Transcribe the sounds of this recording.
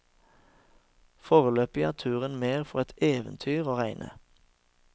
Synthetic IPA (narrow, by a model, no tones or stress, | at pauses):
foːʁəløːpəjæːt̪ʰʉːʁənmeːʁfɔʁɛt̪eːʋənt̪ʰyːʁoːʁæɪnʔə̰